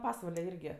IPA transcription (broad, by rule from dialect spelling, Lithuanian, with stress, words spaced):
ˈpɑːsʋɐlʲɛ ˈɪrʲɡʲɪ